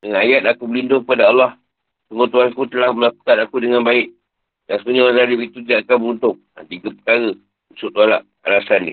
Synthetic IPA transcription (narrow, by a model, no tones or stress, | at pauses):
dəŋanajat̪̚akubəlindʊŋkəpadaɑlːɑh | t̪əmot̪uankut̪əlahməlaku̥kanakudəŋanbaɪʔ | dansəkuɲaɾanadipit̪ut̪idaʔakanbəunt̪ʊk̚a̰t̪iɡəpə̥kaɾə | usʊʔt̪uala̰ʔ | a̰lasanːḭ